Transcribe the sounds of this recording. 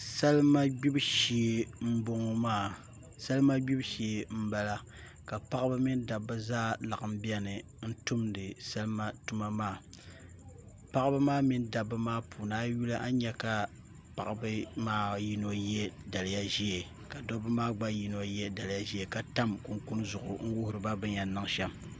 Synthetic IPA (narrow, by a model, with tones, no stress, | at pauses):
sa˦lma˦ɡ͡bi˦bʃi˨e˦˨m̩˦bo˦ŋ˦maː˦˨ | sa˦lma˦ɡ͡bi˦bʃi˨e˨m̩˦ba˦la˦ | ka˨pa˦ʔbɨ˦mi˦n˦da˨bːɨ˦zaː˦la˨ʔɨ˨m̩˦bi˦ɛ˦nɨ˨ | n̩˦tu˦mdɨ˨sa˦lɨ˦ma˦tu˦ma˦maː˦˨ | pa˦ʔbɨ˦maː˦mi˦nda˨bːɨ˦maː˦pʰu˨naː˦ju˦la˦ʔa˦ɲɛ˦ka˨ | pa̰˨ʔbɨ˦maː˦ji˦no˦jɛ˦da˨lɨ˨ja˦ʒi˦e˨ | ka˨dɔ˦bɨ˦maː˦ɡ͡ba˦ji˨no˦jɛ˦da˨lja˦ʒi˦e˨ka˨ta˦mku˦ŋku˦n˦zʊ˨ʔʊ˨ŋ̩˦wʊ˦hʊ˨ɾɨ˨ba˦bɨ˦ɲa˨˦nːɨ˦ŋ˦ʃɛ˦m